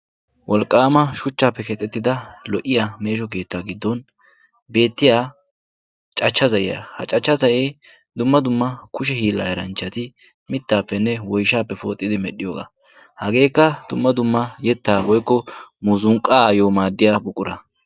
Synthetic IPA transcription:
wʔɔlkʼːaːmɐʃʊt͡ʃːaːpːɛkɛt̪ʼːɛt̪ːɪd̪ɐlɔʔɪjame̞ːʃɔke̞ːt̪ːaːɡɪd̪ːɔn | be̞ːt̪ːɪjaː | t͡ʃʼɐt͡ʃːɐzɐʔɪ̰ja̰hɐ̰t͡ʃʼɐt͡ʃːɐzɐʔeː | d̪ʊmːɐd̪ʊmːɐkʊʃ̬ɛhiːlːɐ̰jɛɾɐnt͡ʃːɐt̪ɪ | mɪt̪ːaːpːɛnːɛwɔjʃaːpːɛfo̞̰ːt̪ʼːɪd̪ɪmɛɗːɪjo̰ːɡa̰ː | hɐɡe̞ːkːɐd̪ʊmːɐd̪ʊmːɐjɛt̪ːaːwɔjkːɔmuːzʊŋkʼaːjoːmaːd̪ːɪjaːbʊkʼːʊɾɐ

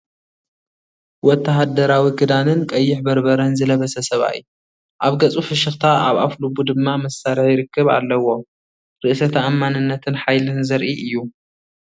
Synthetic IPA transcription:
wɔt̪ʰːaɦad̪ɐɾawiɡɨd̪anɨnkʼɐjːɪħbɐɾbɐɾɐnzɨlɐβɐsɐsɐβa̰ʔj̰ | ʔaβɡɐt͡sʼufɨʃɨxt̪ʰaa̰βa̰flubud̪ɨmːamɐsːaɾɐħjɪɾɨkʰːɨβa̰lːɐwo̞ | ɾɨʔsɐt̪ʰaʔːmːanɨnːɐt̪ʰɨnħajlɨnzɐɾʔiʔɨjːu

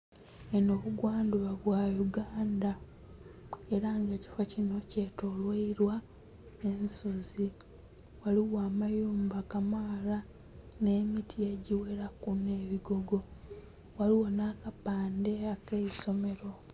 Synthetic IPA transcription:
enoːβuɡwaːnduβaβwaːjuɡaːnda | e̞ɾaŋɡe̞ːci̥focino̞cetolweiɾwa | ensuzi | waliwaːmajuːmbakamala | ne̞ːmitije̞ɟiwe̞ɾakune̞ːβiɡo̞ɡo̞ | waliwo̞naːkapaːnde̞akeiso̞me̞ɾo̞

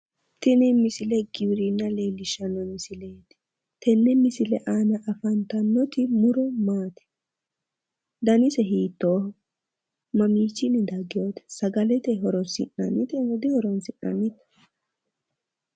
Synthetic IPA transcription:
t̪ɪnɪmɪsɪlɛɡɪwɾɪnːɐleːlɪʃɐnːɔmɪsɪleːt̪ɛ̥ | t̪ɛnːɛmɪsɪlɛʔaːnɐʔɐfɐnt̪ɐnːɔt̪ɪmʊɾɔmaːt̪ɪ̥ | d̪ɐnɪsɛɦiːt̪ːoː | mɐmiːt͡ʃːɪnɪd̪ɐɡɪjoːt̪ɛ̥sɐɡɐlɛt̪ɛɦɔɾɔsɪ̰nːɐ̰nɪt̪ɛhɔd̪ɪhɔɾɔnsɪnːɐ̰nɪt̪ɛ̥

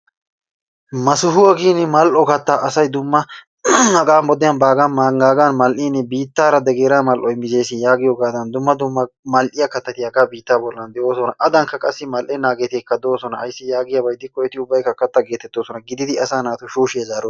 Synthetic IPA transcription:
mɐsʊɦʊwɐɡiːnɪmɐlʔɔkɐt̪ːaːʔɐsɐjd̪ʊmːɐ | ɐɡaːmbɔd̪ɪjɐnbaːɡɐnmaŋɡaːɡanmɐlʔiːnːɛbiːt̪ːaːɾɐd̪ɛɡeːɾaːmɐlʔɔɪmːɪzejsɪjaːɡɪjoːɡaːd̪ɐnd̪ʊmːɐd̪ʊmːɐmɐlʔɪjɐkɐt̪ːɐt̪ɪjɐɡaːbiːt̪ːaːbɔlːɐnd̪ɛʔoːsɔnɐʔɐd̪ɐŋkːɐkʼɐsːɪmɐlʔɛnaːɡet̪eːkːɐd̪oːsɔnɐːjsːɪjaːɡɪjɐbɐjd̪ɪkɔjɔt̪ɪʊbːɐjkːɐkːɐt̪ːɐɡeːt̪ːɛt̪ːoːsɔnɐɡɪd̪ɪd̪ɪɐsaːnaːt̪ʊʃuːʃɪjɐzaːɾo

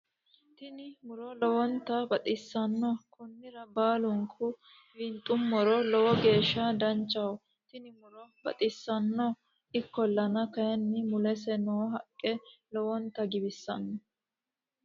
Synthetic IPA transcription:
t̪ɪnɪmʊɾɔlɔwɔnt̪ːɐbɐt̪ʼɪsːɐnːɔkʊnːɪɾɐbaːlʊŋkʰʊ | wɪnt̪ʼʊmːɔɾɔlɔwɔɡe̞ːʃːɐd̪ɐnt͡ʃːɐw | t̪ɪnɪmʊɾɔbɐ̰t̪ʼɪsːɐnːɔ | ɪkːɔlːɐnɐkɐjɛnːɪmʊlɛsɛnoːɦɐkʼːɛlɔwɔnt̪ːɐɡɪbɪsːɐ̰nːɔ

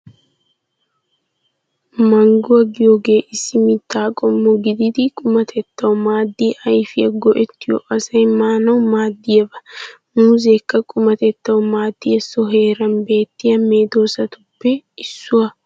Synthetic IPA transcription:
mɐŋɡɔɐɡɪjɔɡeːʔɪsːɪmɪt̪ːaːkʼɔmːɔɡɪd̪ɪd̪ikʼʊmɐt̪ʰɛt̪ːɐwʊmaːd̪ːiːʔɐjfɪɐɡɔʔɛt̪ːɪjɔ̰ʔɐsɐjmaːnɐwʊmaːd̪ːɪjɐbɐ | muːzekːɐkʼʊmɐt̪ɛt̪ːɐwʊmaːd̪ːijɛsːɔɦe̞ːɾɐnbe̞ːt̪ːɪjɐmeːd̪o̞ːsɐt̪ʊpːɛɪsːʊɐ

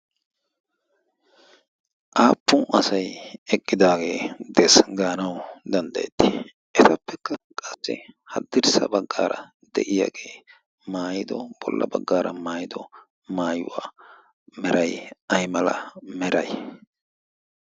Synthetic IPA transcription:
ʔaːpːʊʔɐsɐjɛkʼːɪd̪aːɡe̞ːd̪ɛsɡaːnɐwd̪ɐnd̪ɐjɛt̪ːɪ | ʔɛt̪ɐpːɛkːɐkʼɐsːɛhɐd̪ːɪɾsɐbɐɡːa̰ːɾɐ | d̪ɛʔɪja̰ːɡe̞ː | maːjɪd̪ɔb̥ɔlːɐ̰bɐɡːaːɾɐmaːjɪd̪ɔ | maːjʊwa̰ː | mɛɾɐjɐjmɐlɐ̰mɛɾɐj

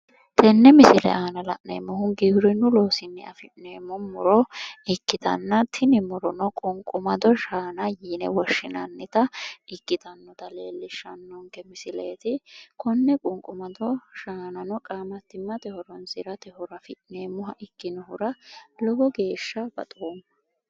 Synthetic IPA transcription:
t̪ʰɛnːɛmɪsɪlɛ̰aːnɐlɐ̰ʔnḛːmːɔɦʊŋɡihɾɪnʊloːsɪnːɛ̰ɐfɪʔneːmːɔmːʊɾɔɪkːɪt̪ɐ̰nːɐt̪ʰɪnɪmʊɾɔnɔkʼʊŋkʼʊmɐd̪ɔʃaːnɐjiːnɛ̰wɔʃːɪnɐnːɪt̪ɐɪkːɪt̪ɐnːɔt̪ɐleːlːɪʃːɐnːɔŋkɛmɪsɪleːt̪ɪkɔnːɛkʼʊŋkʼːʊmɐd̪ɔʃaːnɐnɔkʼaːmɐt̪ːɪmːɐt̪ɛhɔɾɔnsɪɾɐt̪ɛhɔɾɐfɪʔneːmːʊhɐʔɪkːɪnɔhʊɾɐlɔɡɔɡe̞ːʃːɐbɐ̰t̪ʼoːmːɐ

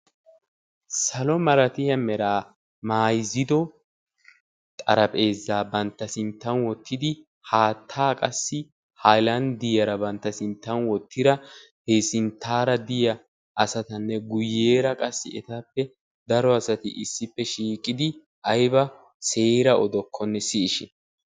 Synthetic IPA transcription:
sɐlɔmɐɾɐt̪ɪjɐmɛɾaː | maːjzɪd̪ɔ | t̪ʼɐɾɐpʼe̞ːzːaːbɐnt̪ːɐsɪnt̪ːɐnwɔt̪ːɪd̪ɪ | haːt̪ʰːaːkʼɐsːɪ | hajlɐnd̪ɪjɐɾɐbɐnt̪ːɐsɪnt̪ːɐnwɔt̪ʰːɪd̪ɐheːsɪnt̪ʰːaːɾɐd̪ɪjɐ | ɐsɐt̪ɐnːɛɡʊjːe̞ːɾɐkʼɐsːɪɛt̪aːpːɛ | d̪ɐɾɔɐsɐt̪ɪʔɪsːɪpːɛʃiːkʼːɪd̪ɪ | ɐjbɐ | se̞ːɾɐɔd̪ɔkʰːɔnːɛsɪːʃɪn

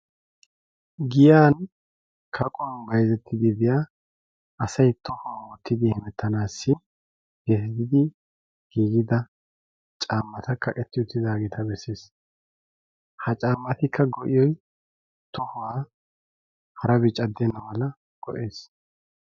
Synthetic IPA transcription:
ɡɪjaːn | kʰɐkʼɔwɐnbɐjzɛt̪ʰːɪd̪ɪbɪjaː | ɐsɐjt̪ɔhʊwawɔt̪ːɪd̪ɪhɛmɛt̪ʰːɐnaːsːɪ | ɡ̥ɛsɪd̪ɪd̪ɪ | ɡ̥iːɡɪd̪ɐ | t͡ʃʼaːmːɐt̪ɐkʰːɐkʼɛt̪ːɪʊt̪ːɪd̪aːɡɛt̪ʰɐbɛse̞ːs | hɐt͡ʃʼaːmːɐt̪ɪkʰːɐɡɔʔɪjɔj | t̪ɔhʊwaː | hɐɾɐbɪt͡ʃʼɐd̪ːɛnːɐwɐlɐ | ɡ̥ɔʔe̞ːs

